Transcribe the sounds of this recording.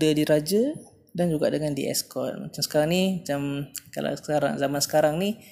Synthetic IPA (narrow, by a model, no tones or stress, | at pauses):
dədiɾad͡ʒə | dand͡ʒuɡaʔdəŋandḭʔɛ̰skɔ̰t̪̚ma̰t͡ʃamsə̥kaɾaŋnimat͡ʃamka̰la̰skaɾa̰ŋzamansə̥kaɾaŋni